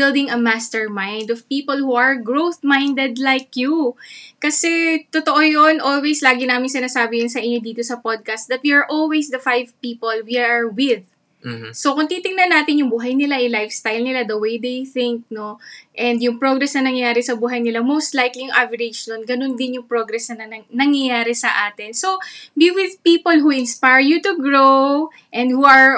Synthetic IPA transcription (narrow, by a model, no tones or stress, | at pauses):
bɪlˠd̪ɪŋɐmast̪ɛɹmajnd̪ɔvpiːpolhuʔɐɹɡɹowθmajnd̪ɛd̪lajkjukɐsɛt̪ot̪oʔojonʔo̞lwejslaːɡɪnaːmɪnsɪnaːsaːbɪjʊnsɐʔɪɲːo̞d̪iːt̪o̞sɐpod̪̚kast̪̚d̪ɐt̪̚wiɐɹʔolwejsd̪ɐfajvpiːpolwiaɹwɪð | sokʊŋt̪iːt̪ɪŋnɐnaːt̪ɪnjʊŋbuːɦɐjnɪlaʔɛjlajfst̪ajlnɪlad̪ɐwejd̪ejθɪ̃ŋk̚no̞ʔɛnd̪jʊŋpɹoɡɾɛsnɐnɐŋjɐjaːɾɛsɐbuːɦɐjnɪlamowst̪lajklijʊŋʔavɐɹɪd͡ʒd̪onɡɐnond̪ɪnjʊŋpɹoɡɾɛsnɐnɐɐnɐŋjɐjaːɾɛsɐʔaːt̪ɪnsobiwɪðpiːpolɦuʔɪnspajɹjut̪ʊɡɹow | ʔɛ̃nd̪̚huʔɐɹ